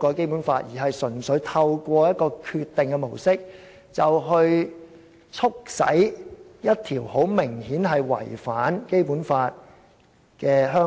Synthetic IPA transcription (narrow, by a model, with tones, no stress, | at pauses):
kɔː˧ke˥jpuː˨˥nfaː˧t̚jiː˨˩ɦɐ˨jsɵ˨˩nsɵ˨˥ɥt̪ʰɐ˧wkʷɔː˧jɐ˥t̚kɔː˧kʰyː˧t̪ːɪ˨ŋkɛ˧mo˨˩wsɪ˥k̚ | t͡sɐ˨wɦɵ˧ɥ | t͡sʰʊ˥k̚sɐ̰˨˥jjɐ˥t̚t̪ʰiː˨˩who˨˥wmɪ˨˩ŋhiː˨˥nɦɐ˨jwɐ̰˨˩jfaː˨˥nke˥jpuː˨˥nfaː˧t̚ | kɛː˧ɦœː˥